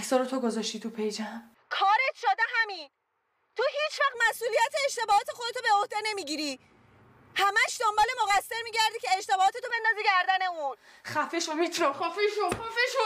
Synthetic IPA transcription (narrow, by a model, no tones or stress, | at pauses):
ksɒːɾot̪ʰoɡozɒʃt̪iːt̪ʰupʰejd͡ʒæm | kʰɒːɾet̪ʰʃɒːd̪eɦæmiːn | t̪ʰoɦiːt͡ʃʰvæχd̪mæsʔuːlijæt̪ʰeːʃt̪e̞bɒːhɒːt̪ʰexod̪et̪ʰobe̞ohd̪ene̞miːɟiːɾi | hæmæʃd̪ombɒːle̞moɣæsːe̞ɾmiːɟæɾd̪iːcʰe̞ːʃt̪e̞bɒːɒːt̪ʰe̞t̪ʰobe̞nd̪ɒːziɟæɾd̪æne̞un | xæfeʃomit̪ʰuɾaxɔfeʃoxɔfeʃo